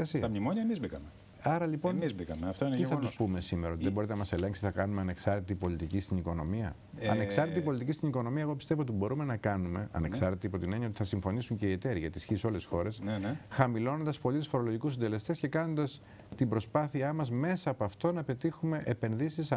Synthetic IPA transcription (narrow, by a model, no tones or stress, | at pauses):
ɐsiɐɐmnimoɲɐemizbikɐme | ɐɾɐlipo̞nizbikɐmeɐft̪oint̪iθɐt̪uspume̞sime̞ɾɐot̪iðebo̞ɾit̪enɐmɐse̞le̞ŋksiθɐkɐnume̞ɐne̞ksɐɾt̪et̪ipo̞lit̪icist̪iniko̞no̞̰miɐ̰ | ɐ̰neksɐɾt̪et̪ipo̞lit̪icist̪iniko̞no̞miɐeɣo̞pi̥st̪e̞voot̪ibo̞ɾume̞nɐkɐnume̞̰ɐ̰ne̞ksɐɾt̪et̪iɐpo̞t̪ine̞ɲiɐo̞t̪i̥θɐsiɱfo̞nisuɲce̞ie̞t̪e̞ɾiʝɐt̪isçiso̞le̞sxo̞ɾe̞snxɐmilo̞no̞nd̪ɐspo̞lit̪usfo̞ɾo̞lo̞ʝikusind̪e̞le̞st̪e̞scekɐno̞nd̪ɐs | t̪imbɾo̞spɐθiɐmɐzme̞sɐːpoɐft̪o̞nɐpe̞t̪ixume̞ʔepe̞nðisis